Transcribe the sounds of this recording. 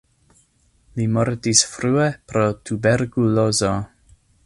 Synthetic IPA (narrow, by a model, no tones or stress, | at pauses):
limoɾt̪isfɾuːepɾot̪ʰubeɾkulozo